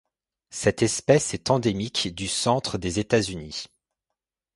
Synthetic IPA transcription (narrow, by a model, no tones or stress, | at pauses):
sɛt̪ɛspɛsɛt̪ɑ̃d̪emikd̪ysɑ̃t̪χəd̪ezet̪azyni